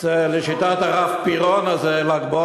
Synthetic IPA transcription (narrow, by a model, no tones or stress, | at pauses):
zeleʃit̪at̪aʁafpiʁonazelaɡbo